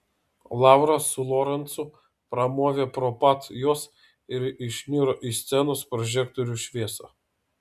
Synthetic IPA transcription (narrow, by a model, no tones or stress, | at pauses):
lˠɑˑʊɾɐsʊlˠɔɾɐnt̪sʊ | pɾɐmoːʋʲeːpɾɔpɑt̪joːs | ɪɾɪʃʲnʲiːɾoʔisʲt̪sʲɛnoːspɾɔʒʲɛkt̪ɔɾʲuʃʲʋʲiɛsɐ